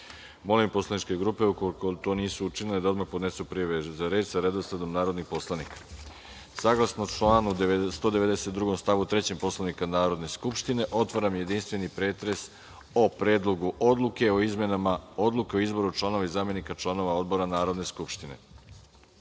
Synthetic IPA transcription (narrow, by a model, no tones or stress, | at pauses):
mo̞limpo̞slˠanit͡ʃke̞ɡɾupe̞ukolikot̪o̞ːniːsuut͡ʃiniled̪aod̪maxpod̪ne̞supɾiʋezaɾe̞ːt͡ɕzaɾed̪osed̪omnaːɾo̞d̪nixpo̞slˠanikḁ | saɡlˠasnot͡ʃlaːnust̪od̪eʋe̞d̪eset̪̚d̪ɾuɡo̞mst̪aʋut̪ɾet͡ɕempo̞slˠanikanaːɾo̞d̪ne̞skupʃt̪ine̞ʔo̞t̪ʋaɾamje̞d̪inst̪ʋe̞nipɾeːt̪ɾe̞s | opɾe̞ːd̪lˠo̞ɡuʔo̞d̪lˠuke̞oizme̞namao̞d̪lˠuke̞oizbo̞ɾut͡ʃlˠano̞ʋaizaːmje̞nikat͡ʃlˠano̞ʋao̞d̪bo̞ɾanaːɾo̞d̪ne̞skupʃt̪ine̞̰